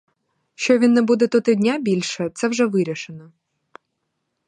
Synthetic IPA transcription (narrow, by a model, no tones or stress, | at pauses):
ʃt͡ʃɔʋʲinːɛbud̪ɛt̪ɔt̪ɪdʲnʲabʲilʲʃɛt̪sɛwʒɛʋɪɾʲiʃenɔ